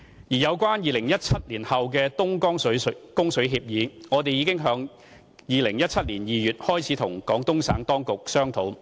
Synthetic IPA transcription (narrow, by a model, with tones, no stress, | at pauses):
jiː˨˩jɐ˨˧wkwaː˥njiː˨lɪ˨˩ŋjɐ˥t̚t͡sʰɐ˥t̚liː˨˩nhɐ˨wk̬ɛː˧t̪ʊ˥ŋkɔː˥ŋsɵ˨˥skʊ˥ŋsɵ˨˥ɥɦiː˧p̚jiː˨˧ŋɔː˨˧t̪e˨jiː˨˧kɪ˥ŋɦœː˨˧˥ŋ | jiː˨lɪ˨˩ŋjɐ˥t̚t͡sʰɐ˥t̚liː˨˩njiː˨jyː˨˩t̚hɔː˥jt͡sʰiː˨˥t̪ʰʊ˨˩ŋkɔː˨˥ŋt̪ʊ˥ŋsa̰ː˨˥ŋt̪ɔː˥ŋkʊ˨k̚sœː˥ŋt̪ʰo˨˥w